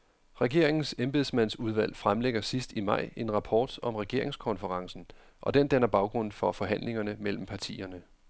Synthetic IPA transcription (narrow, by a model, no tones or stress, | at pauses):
ʁɛɡ̥e̝ɐ̰e̝ŋn̩semb̥e̝ð̞ˠsmænsuð̞ˠʋæl̰fʁamleɡ̥ɐsisd̥imɑ̈ɪ̰e̝nʁɑ̈pʰɒ̰ːd̥ɒ̽mʁɛɡ̥e̝ɐ̰e̝ŋskʰɒ̽nfəʁɑ̈ŋsn̩ | ʔɒ̽d̥end̥ænɐb̥ɑ̈ʊɡ̥ʁɔ̽n̰fɒ̽fɒ̽ɦæn̰le̝ŋɐnəmel̰m̩pʰɑt͡sʰḭːɐnə